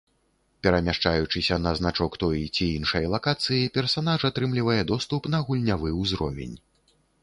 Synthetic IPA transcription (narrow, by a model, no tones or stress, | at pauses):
pʲɛɾɐmʲaʂt͡ʂajut͡ʂɨsʲɐnɐznat͡ʂɔkt̪ɔjit͡sʲiinʂɐjɐlˠakat̪sɨjipʲɛrsanaʐat̪ɾɨmlʲivɐjɛd̪ɔst̪upn̪ɐɣulʲnʲavɨwzɾɔ̰vʲḛnʲ